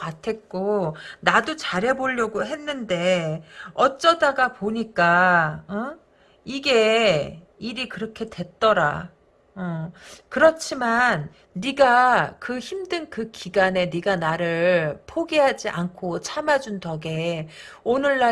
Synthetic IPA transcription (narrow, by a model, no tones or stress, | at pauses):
katʰe̞t̚k͈onadot͡ɕaɾɦe̞boʎːʌɡoɦe̞nːɯnde̞ | ʌt͡ɕ͈ʌdaɡapoɲik͈aʌ | iɡe̞ | iɾikɯɾʌkʰe̞dwe̞t̚t͈ʌɾa̰ | ʌkɯɾʌt͡ɕʰimanː | iɡakɯçimdɯnkɯkiɡane̞niɡanaɾɯɭpʰoɡiɦad͡ʑiʔankʰot͡ɕʰamad͡ʑuntʌɡe̞onɯɭːa